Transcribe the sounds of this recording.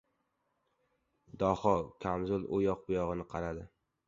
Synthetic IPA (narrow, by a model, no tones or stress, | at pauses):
d̪ɒhɒkʲʰamzʊlˠojɒq̚bʊjɒʁɨnɪqʰɑɾad̪ɪ